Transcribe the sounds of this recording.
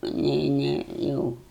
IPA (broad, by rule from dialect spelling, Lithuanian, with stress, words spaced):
ɐˈnʲɛɪ ˈnʲɛɪ ˈjɛʊ